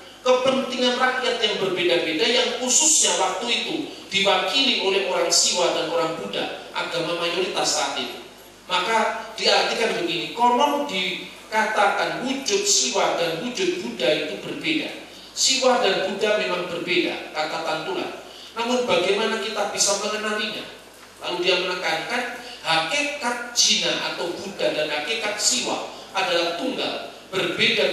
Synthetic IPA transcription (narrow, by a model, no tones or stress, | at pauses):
kəpənt̪iŋanraʔjat̪̚jaŋbərbedabedajaŋhusʊsɲawak̚t̪uit̪ud̥iwakiliʔolɛhoɾaŋsiwahdanoɾaŋbuda̰ʔa̰ɡamamajoɾit̪asaːt̪it̪u | makad̥iart̪ikanbəɡinikɔlɔdi | kat̪akanwud͡ʒʊt̪̚siwadanwud͡ʒʊt̪̚b̥udait̪ubərbeda̰ | siwadanbudamemaŋbərbeda̰kat̪akant̪ula̰h | namʊnbaɡajmanakit̪abisaməŋənaliɲa̰ | la̰ludiamənəkankanhakekat̪̚d͡ʒinaʔa̰t̪awbudadanɦakekat̪̚siwa̰ʔadalaht̪uŋɡa̰l | b̥ərbeda